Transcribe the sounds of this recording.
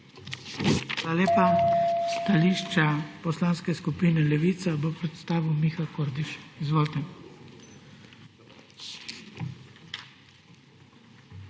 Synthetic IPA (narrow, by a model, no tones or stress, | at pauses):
xalaleːpast̪aliːʃt͡ʃapɔslaːnskɛskupiːnɛlɛʋiːt̪sabopɾɛt̪st̪aːʋiwmixakoːɾd̪iʃizʋoːlt̪ɛ